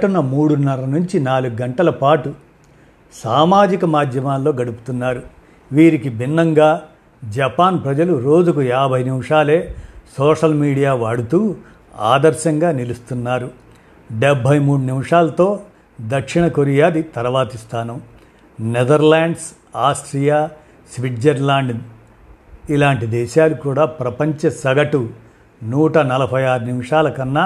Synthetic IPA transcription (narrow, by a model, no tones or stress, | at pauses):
ʈunɐmuːɽunːɐɾɐnuɲt͡ʃinaːluɡuɡɐɳʈɐlɐpaːʈu | saːmaːd͡ʒikɐmaːd̪ʱjɐmaːlːo̞ːɡɐɽupu̥t̪unːaːɾu | ʋiːɾikibʱinːɐŋɡaː | d͡ʒɐpaːnpɾɐd͡ʒɐluɾo̞ːd͡ʒukujaːbʱɐjnimʂaːle̞ːsɔːʂɐlmiːɽijaːʋaːɽut̪uː | a̰ːd̪ɐɾʃɐŋɡaːnilust̪unːaːɾu | ɖebʱɐjmuːɽunimʂaːlɐt̪o̞ː | d̪ɐkʂiɳɐkoɾijaːd̪it̪ɐɾɐʋaːt̪ist̪ʰaːnɐm | nɛd̪ɐɾlaːɳɖs | aːsʈɾijaː | sʋiʈd͡ʒɐɾlaːɳɖ | ilaːɳʈid̪ɛːʃaːlukuːɽaːpɾɐpɐɲt͡ʃɐsɐɡɐʈu | nuːʈɐnɐlɐbʱɐjaːɾunimʂaːlɐkɐnːa